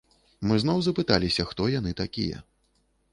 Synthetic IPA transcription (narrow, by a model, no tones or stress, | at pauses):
mɨzn̪ɔwzɐpɨt̪alʲisʲɐxt̪ɔjan̪ɨt̪akʲḭjɛ̰